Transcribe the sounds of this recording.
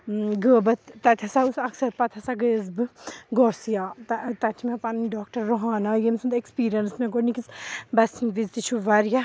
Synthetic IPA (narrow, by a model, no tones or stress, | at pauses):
ɡəːbɐt̪ːɐt̪ʰɐsausɐksɐɾpɐt̪ʰɐsaɡəzbɨɡɔːɾsijat̪ɐt̪ɐt͡ʃʰimẽpanɖɔːk̚ʈɐɾːoɦaːnajemsund̪ekspiːɾijɐnsmẽɡoːnikisbɐsinʋizt̪it͡ʃʰuʋɐɾja